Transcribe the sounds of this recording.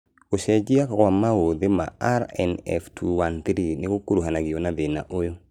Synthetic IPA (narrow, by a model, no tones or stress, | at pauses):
koʃɛd͡ʒiakaamawoðema̰aɾɛ̰nɛ̰ftʰuwant̪ɾinɪkokuɾuɦanaɡɪonaðena̰ʔojo